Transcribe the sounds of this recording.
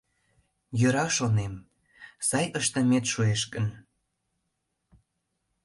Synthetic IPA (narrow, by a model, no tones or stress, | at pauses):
jøɾɑʃonem | sɑjʔəʃt̪ə̆met̪ʃueʃkən